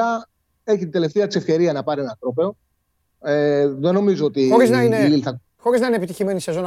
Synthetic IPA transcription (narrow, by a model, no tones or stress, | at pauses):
ɐ | e̞çit̪ind̪ele̞ft̪eɐt͡se̞fce̞ɾiɐnɐpɐɾie̞nɐt̪ɾo̞pe̞o̞ | eðe̞no̞mizoot̪ixoɾiznɐineililθɐ | xo̞ɾiznɐinepit̪içimenisezonɐ